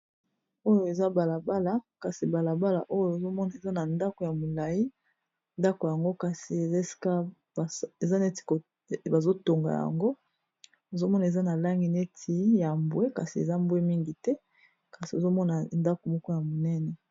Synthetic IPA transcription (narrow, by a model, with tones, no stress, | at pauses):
o˦jo˨e˨za˦ba˨la˨ba˦la˨ka˨si˨ba˨la˨ba˦la̰˨ʔo˦jo˨e˨zo˦mɔ˦na˨e˨za˦na˨nda˦ko˨ja˨mo˨la˨ji˦ | nda˦ko˨ja˨ŋɡo˦ka˨si˨e˨e˦si̥˨ka˦˨ | e˨za˦ne˦ti̥˨ko˨ | ba˨zo˦to˨ŋɡa̰˨ja̰˨ŋɡo˦ | e˨zo˦mɔ˦na˨e˨za˦na˨la˦ŋɡi˨ne˦tʰi˨ja˨mbwe˦ka˨si˨ḛ˨za˦mbwe˦mi˦ŋɡi˨tɛ˦ | ka˨si˨o˨zo˦mɔ˦na˨nda˦ko˨mɔ˦kɔ˦ja˨mo˨nɛ˦nɛ˨